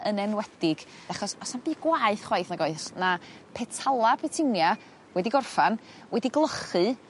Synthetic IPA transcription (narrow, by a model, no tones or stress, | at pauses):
ənɛnwɛd̥ɪɡ̥d̥aχɔsɔsanbiːɡwaɨθχwajθnaɡoɨsnapʰɛtʰalˠapʰɛtʰɪwnja | wʔɛdiɡɔrfan | wʔɛdiɡlˠəχɨ